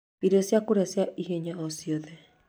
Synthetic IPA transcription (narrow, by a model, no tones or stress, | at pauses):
iɾosjakoɾeasjaiɦeɲaosioðɛ